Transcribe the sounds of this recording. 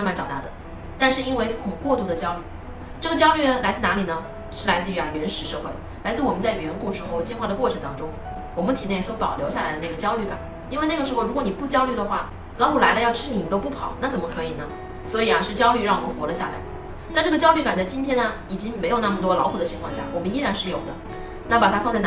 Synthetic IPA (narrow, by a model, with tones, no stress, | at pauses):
nma˧˥nʈ͡ʂɑ˨˩ʊt̪a̰˥˩d̪ə˦ | t̪a˥˧nʂɻ̩˥˧i˥nwe˥˧ɪfu˥˩mu˨˩kwɔ˥˧t̪u˥˩d̪ə˩t͡ɕjɑ˥ʊly˥˩ | ʈ͡ʂɤ˥˩ə˩t͡ɕjɑ˥ʊly˥˩ə˩la˧˥ɪt͡sɹ̩˥˩na˧˥li˨˩nə˦ | ʂɻ̩˥˩la˧˥ɪt͡sɹ̩˧˩˧a˨˩ɥɛ˧˥nʂɻ̩˧˥ʂɤ˥˧xwe˥˩ɪ | la˧˥ɪt͡sɹ̩˥˩wɔ˨˩mə˦nt͡sa˥˩ɪɥɛ˧˥nku˥˩ʈ͡ʂɻ̩˥xo˥˧ʊt͡ɕi˥˧nxwa˥˩d̪ə˩kɔ˥˩ʈ͡ʂʰɤ˧˥ŋt̪ɑ˥ŋʈ͡ʂʊ˥ŋ | wɔ˨˩mə˦nt̪ʰi˨˩jɛ˥˩swɔ˧˥pɑ˨˩ʊljo˧˥ɕja˥˩la˧˥ɪd̪ə˧na˥˩ɡə˩t͡ɕjɑ˥ʊly˥˩ka̰˨˩˦n | i˥nwna˥˩ɡə˩ʂɻ̩˧˥xo˧ʊɻu˧˥kwni˨˩pu˥˩t͡ɕjɑ˥ʊly˥˩d̪ə˩xwa˥˩ | lɑ˧˥ʊt̪ʰla˧˥ɪd̪ə˧jɑ˥˧ʊʈ͡ʂʰɻ̩˥i˨˩mə˦nt̪o˥ʊpu˥˩pʰɑ̰˨˩˦ʊna˥˩t͡sə˨˩nmə˦kʰɤ˧˥i˨˩nə˦ | swɔ˧˥i˨˩ɐ˦ʂɻ̩˥˩t͡ɕjɑ˥ʊly˥˧ɻɑ˥˩ŋwɔ˨˩mə˦nxwɔ˧˥lə˧ɕja˥˩la̰˧˥ɪ | t̪a˥˧nʈ͡ʂɤ˥˩ɡə˩t͡ɕjɑ˥ʊly˥˩ka˨˩nt̪a˥˩t͡ɕi˥nt̪ʰjɛ˥nɐ˨ | i˨˩t͡ɕi˥ŋme˧˥ɪjn˥˩mə˩t̪wɔ˥lɑ˧˥ʊu˨˩d̪ə˦t͡ɕʰi˧˥ŋkʰwɑ˥˧ŋɕja˥˩wɔ˨˩mə˦ni˥ɻa˧˥nʂɻ̩˥˩jo˨˩ʊd̪ə̰˦ | na˥˩pa˨˩t̪ʰa˥fɑ˥˧ŋt͡sa˥˩ɪ